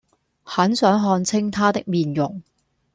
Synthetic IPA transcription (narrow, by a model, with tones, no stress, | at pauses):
hɐ˨˥nsœː˨˥ŋɦɔː˧nt͡sʰɪ˥ŋt̪ʰaː˥t̪ɪ˥k̚miː˨˩njʊ˨˩ŋ